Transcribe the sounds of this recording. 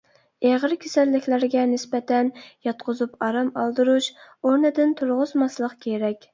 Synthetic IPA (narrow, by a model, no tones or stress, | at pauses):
eʁəɾkʲʰesɛlːɪkʲlæɾɡʲɛnɪspɛt̪ʰɛnjɑt̪qʰʊzupɑɾɑmɑlˠd̪ɨɾuʃoɾnɪd̪ɪnt̪ʰuɾʁʊzmɑslˠəqkʲʰeɾɛkʲ